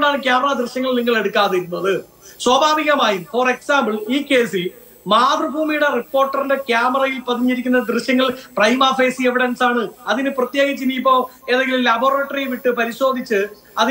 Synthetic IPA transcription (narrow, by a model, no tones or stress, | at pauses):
ɳɽaːɳɨk̬ʲjaːmɐrad̪rɨɕjɐŋːɐɭniŋːɐɭe̞ɽukːaːðiɾunːɐðɨ | swaːbʱaːʋiɣɐmaːjimfore̞ksaːmbɨliːkeːsi | maːd̪rɨbʱuːmijuɽe̞ripːoːrʈːɐrinde̞kʲjaːmɐrɐjilpɐðʰʱiɲːiɾik̬ʲːunːɐd̪rɨɕjɐŋːɐɭprɐjmaːfe̞ːsieʋiɽɐnsaːɳɨɐðinɨprɐt̪jeːɣit͡ɕːiniːpːoː | e̞ːðeŋɡilumlaboːrɐʈːɐriʋiʈːɨpɐɾiɕo̞ːd̪ʱit͡ɕːɨ | ɐði